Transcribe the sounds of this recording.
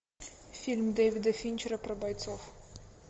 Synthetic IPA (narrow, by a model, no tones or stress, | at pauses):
fʲilʲmd̪ɛjʋʲid̪ɐfʲinʲt͡ʃɛɾɐpɾɐbɐjt̪sɔw